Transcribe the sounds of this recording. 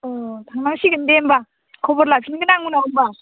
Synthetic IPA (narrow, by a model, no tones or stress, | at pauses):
ɔtʰaŋnaŋsiɡɯndemba | kʰɔbɔɾlapʰinɡɯnaŋunawmba